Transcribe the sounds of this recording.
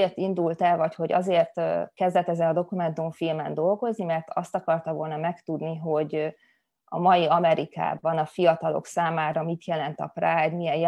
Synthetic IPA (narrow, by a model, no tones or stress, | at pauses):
eːrt̪ind̪ult̪ɛlvɒchoɟɒ̰zeːrt̪ːkɛzd̪ɛt̪ːɛzɛnɒd̪o̞kumɛnt̪uɱfilmɛnd̪o̞lɡo̞znimɛrt̪ɒst̪ɒkɒrt̪ɒvo̞lnɒmɛkt̪ud̪niɦo̞ɟ | ɒ̰mɒjiɒmɛɾika̰ːbɒnɒfiɒt̪ɒlo̞̰ksaːmaːɾɒmit̪jɛlɛnt̪ɒ̰praːɛɟmijɛn